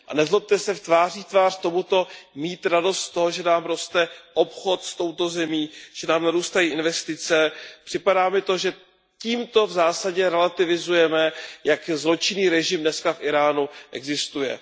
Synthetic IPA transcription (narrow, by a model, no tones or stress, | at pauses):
ʔa̰nɛzlop̚t̪ɛsɛft̪vaːr̝iːt̪vaːr̥t̪o̞mut̪o̞miːt̪ɾado̞st̪t̪oɦoʒɛnaːmɾo̞st̪ɛʔo̞pxo̞t̪st̪o̞wt̪o̞zɛmiːʒ̥ɛnaːmnaɾuːst̪ajiːʔɪnvɛst̪ɪt͡sɛpr̥ɪpadaːmɪt̪o̞ʒɛ | ciːmt̪o̞vzaːsaɟɛɾɛlat̪ɪvɪzujɛmɛjakzlo̞t͡ʃɪniːɾɛʒɪmdnɛskafʔɪɾaːnuʔɛ̰ɡzɪst̪ujɛ̰